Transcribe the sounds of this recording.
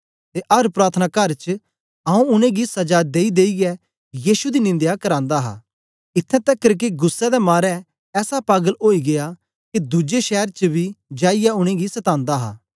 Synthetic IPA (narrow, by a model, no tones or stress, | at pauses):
t̪eʔɐɾpɾaːt̪ʰənakɐɾt͡ʃ | ɐũʊnẽɡisɐd͡ʒaːd̪eːid̪eːiɡɛ | jiːʃud̪inɪ̃nd̪jakɐɾãːnd̪aɦa̰ː | ɪt̪ʰːɛ̃t̪ɛkːɐɾk̬eɡʊsːɛd̪ɛmaːɾɛː | sapaːɡəloːiɡeja | kid̪ʊd͡ʒeʃɛːɾt͡ʃəbʱid͡ʒaːɪjaʊɽ̃ẽɡisɐt̪ãːnd̪aɦa̰ː